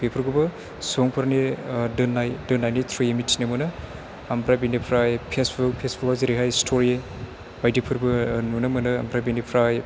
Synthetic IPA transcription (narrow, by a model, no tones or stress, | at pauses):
bepʰɯɾɡubɐ | sɔŋpʰɯɾanidɯnajdɯnːajnitʰɾujemitʰːinɐmɯnɯ | ambɾabinipʰɾajpʰesbɯk̚pʰesbʰukaziɾiɦajstʰoɾie | bajdipʰɯɾbɯnunɐmɯnɯa̰mpʰɾabinipʰɾaj